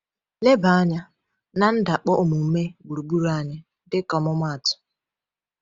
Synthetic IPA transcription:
le˦ba˨a˦ɲa˦ | na˨n̩˦da˨k͡pɔ˦ʔʊ˨mu˨me˦ɡ͡bu˨ɾu˨bu˦ɾa˦ɲa˦ | dɪ˦kɔ˨mʊ˦mʷa˦˨tʊ̥˨

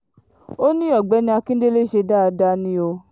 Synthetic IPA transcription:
o˦nĩ˦ɔ˦˨ɡ͡bɛ˨˦nĩ˧˦a˧kĩ˦n̩˦de˦le˦ʃe˧da˦˧da˧˦nĩ˧˦o˧

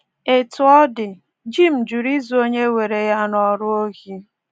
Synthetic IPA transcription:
e˨tʊ˨˦ɔ˦dɪ˨ | d͡ʒi˦m̩˨d͡ʒu˨ɾi˦zu˦o˦ɲe˦we˨ɾe˨ja˦nɔ˨ɾʊ˦o˦ɣi˦

